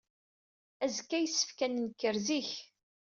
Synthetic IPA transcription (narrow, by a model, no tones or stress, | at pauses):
æzkːæjəsːə̥fkænənkːəɾziç